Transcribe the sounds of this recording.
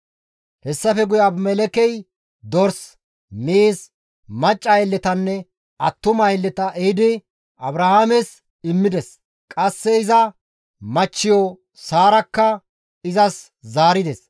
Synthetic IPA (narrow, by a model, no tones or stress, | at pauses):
hɛsːɐfɛɡʊjaːbmɛlɛkɛj | d̪ɔɾs | meːs | mɐt͡ʃʼːɐjlːɛt̪ɐnːɛ | ʔɐt̪ːʊmɐjlːɛt̪ɐʔed̪ɪ | ʔɐbɾɐhamɛs | ɪmːɪd̪ɛs | kʼɐsːɛɪzɐ | mɐt͡ʃːɪjɔ | saːɾɐkːɐ | ɪzɐs | zaːɾɪd̪ɛs